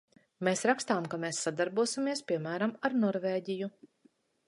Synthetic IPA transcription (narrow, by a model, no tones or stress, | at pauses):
meːsɾakst̪aːmkameːsːad̪aɾbuɔsimiɛspʲiɛmæːɾamaɾnɔɾveːɟiju